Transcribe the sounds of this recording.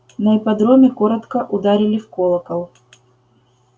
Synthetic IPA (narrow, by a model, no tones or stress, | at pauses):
nɐɪpɐd̪ɾomʲɪkoɾət̪kəʔʊd̪aɾʲɪlʲɪfkolˠəkəlˠ